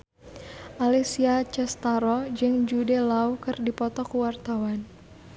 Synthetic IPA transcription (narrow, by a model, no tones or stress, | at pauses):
ʔalisiat͡ʃɛst̪aɾɔd͡ʒɨŋd͡ʒudɛlaukɨrdipɔt̪ɔkuwart̪awan